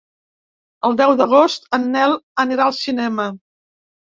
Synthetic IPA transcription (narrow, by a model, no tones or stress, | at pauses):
əlˠd̪ɛwðəɣ̞ost̪ənːɛləniɾaəlˠsinɛmə